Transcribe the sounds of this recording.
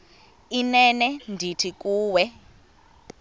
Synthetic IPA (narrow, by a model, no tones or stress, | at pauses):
inɛnɛndʱitʰikuːwɛ